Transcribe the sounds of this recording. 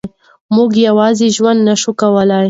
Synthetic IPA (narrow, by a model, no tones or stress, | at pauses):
mʊɡjawɑzeʒwand̪naʃukawəlaj